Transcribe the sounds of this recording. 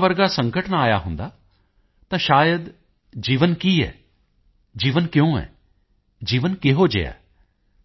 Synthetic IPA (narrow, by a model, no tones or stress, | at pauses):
ʋəɾɡaːsə̃ŋkəʈnaːja̰ːɦʊ̃nd̪aː | t̪ãːʃaːjəd̪ | d͡ʒiːʋənkiːɛ̰ː | d͡ʒiːʋənkjõːɛ̰ː | d͡ʒiːʋənkɪɦoːd͡ʒḛja̰ː